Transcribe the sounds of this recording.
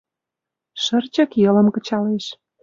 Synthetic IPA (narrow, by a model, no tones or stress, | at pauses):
ʃərt͡ɕə̆kjɤ̆ləmkə̆t͡ɕɑleʃ